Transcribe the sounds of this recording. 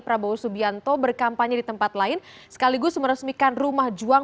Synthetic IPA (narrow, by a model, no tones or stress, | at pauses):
pɾabausubiant̪obərkampaɲadit̪əmpat̪laɪn | sə̥kaliɡʊsməɾəsmikanrumahd͡ʒua